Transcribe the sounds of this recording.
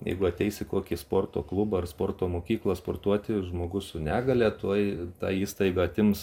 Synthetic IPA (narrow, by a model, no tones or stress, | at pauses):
jɛ̰ɪɡʊɐt̪ʲɛɪsʲɪkoːkʲispoːrt̪o̰ːklˠubɐɐrspoːrt̪oːmoːkʲiːklˠɐspoːrt̪uɔt̪ʲɪʒmoːɡʊssʊnʲæːɡɐlʲæt̪oɔjt̪ɑ̰ːiːst̪ɐɪɡɐɐt̪ʲɪms